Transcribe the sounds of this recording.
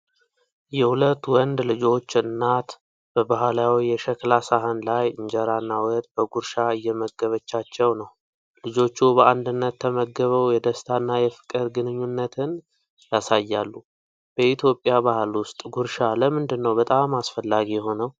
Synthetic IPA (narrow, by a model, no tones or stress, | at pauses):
jɛhulət̪ːwɔnd̪lɨd͡ʒo̞t͡ʃːɨnːat̪ | b̥əbaɦlawijɛʃəklasaɦənlajɨɲd͡ʒɛɾanːawɔt̪ʼb̥əɡuɾʃaɨjːɛməɡəβət͡ʃːat͡ʃːɛwnəw | lɨd͡ʒo̞t͡ʃːubəʔand̪ɨnːət̪ʰːəməɡːəβəwjɛd̪əst̪ʰanːajɛfɨ̥kʼɨɾɡɨnɨɲːunːət̪ʰɨn | jasajːalːu | b̥əit̪ʰjo̞pʼjabahlwʊst̪ʼɡuɾʃaləmɨnd̪ɨnːəwbət̪ʼamːasfəlːaɡijɛɦo̞nəw